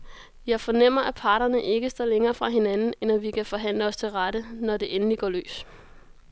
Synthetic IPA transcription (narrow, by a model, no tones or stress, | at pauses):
jɑ̈ɪfɒ̽nem̰ɐʔæpʰɑ̈ːɾɐnəʔe̝ɡ̥əsd̥ɒ̰ːleŋɐːfʁɑ̈ɦe̝nænn̩enæʋikʰæfɒ̽ɦæn̰ləɒ̽st͡sʰe̝lʁaɾ̥ənɒde̝ʔenəliɡ̥ɒ̰ːlø̰ːs